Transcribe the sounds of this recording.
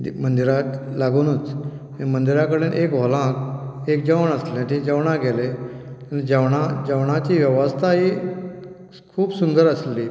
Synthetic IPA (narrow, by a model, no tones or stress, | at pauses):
mənd̪iɾat̪laɡunuːt͡s | ẽmənd̪iɾakəɽeːnʔekʋɔlãk | ekd͡ʑəʋəɳəsleat̪ʰid͡ʑəʋɳaɡeleanid͡ʑəʋɳad͡ʑəʋɳat͡ɕiːʋjəʋəst̪ʰaɦi | kʰuːbsund̪əɾəsliː